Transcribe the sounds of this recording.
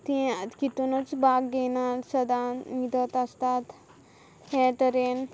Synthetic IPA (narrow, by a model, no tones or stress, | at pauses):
t̪ĩakit̪unət͡sbaɡɡɛnasəd̪amid̪ət̪ast̪at̪ | hɛʈəɾen